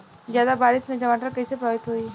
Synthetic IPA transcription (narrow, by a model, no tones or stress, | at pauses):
zjaːd̪abaːɾɪsmẽd͡ʒɐʋaːʈəɾkɐɦisepɾɔːɾɪt̪ɦoːiː